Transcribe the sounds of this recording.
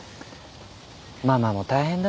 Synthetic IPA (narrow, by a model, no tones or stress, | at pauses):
maːmaːmo̞t̪aihẽnd̪a